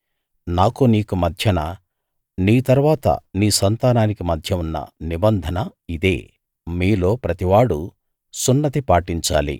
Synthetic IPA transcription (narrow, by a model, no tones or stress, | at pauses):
naːkuniːkumɐd̪ʱjɐnɐ | niːt̪ɐɾʋaːt̪ɐ̰niːsɐnt̪aːnaːnikimɐd̪ʱjɐunːɐ̰nibɐnd̪ʱɐnɐid̪e̞̰ː | miːlo̞ːpɾɐt̪iʋaːɽu | sunːɐt̪ipaːʈiɲt͡ʃa̰ːlḭ